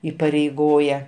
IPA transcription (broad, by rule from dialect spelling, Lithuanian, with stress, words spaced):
iːpɐrʲɛɪˈɡoːjɛ